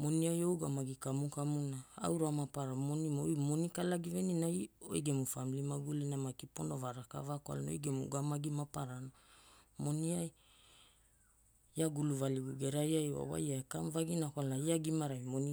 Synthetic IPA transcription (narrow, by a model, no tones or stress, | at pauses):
mo̞niajo̞wɡamaɡikamukamunaa̰wɾoamapaɾamo̞nimojmo̞nikalaɡive̞ninajo̞̰jɡe̞mufamilimaɡulinamakipo̞novaɾaka̰vakoa̰lno̰jɡe̞mṵɡamaɡimapaɾanomo̞niaj | aɡuluvaliɡuɡe̞ɾaɾiajoa̰wa̰jaekamvaɡinakalaiaɡimaɾajmoni